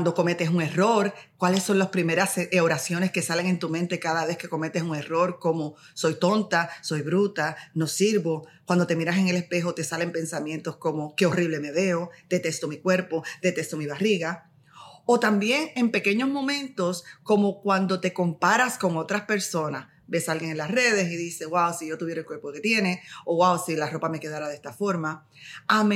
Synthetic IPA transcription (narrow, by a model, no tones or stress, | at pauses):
nd̪o̞ko̞me̞t̪e̞suŋe̞ro̞ɾkwalesːo̞ŋlaspɾime̞ɾasoɾasjo̞ne̞ske̞sale̞ŋẽ̞nt̪umẽnt̪e̞kaðaβe̞ske̞ko̞me̞t̪e̞suŋe̞ro̞ɾko̞mo | so̞jt̪o̞nt̪aso̞jβɾut̪ano̞siɾβo̞k̚wand̪ot̪e̞miɾase̞ŋe̞le̞spe̞ɦot̪e̞sale̞mpe̞nsamje̞nt̪o̞sko̞mo̞ke̞o̞riβle̞me̞ðe̞od̪̥e̞t̪e̞st̪omikwe̞ɾpo̞d̪̥e̞t̪e̞st̪omiβariɣa | o̞t̪ambje̞ŋe̞mpe̞ke̞ɲo̞zmõ̞mẽ̞nt̪o̞sko̞mo̞kwand̪ot̪e̞ko̞mpaɾasko̞ŋo̞t̪ɾaspe̞ɾso̞nas | be̞salɡeŋenlasre̞ðe̞siðise̞wawsiʝo̞t̪uβjeɾelkweɾpo̞ke̞t̪je̞ne̞oɣwawsilaro̞pame̞ke̞ðaɾaðe̞st̪afo̞ɾma | ame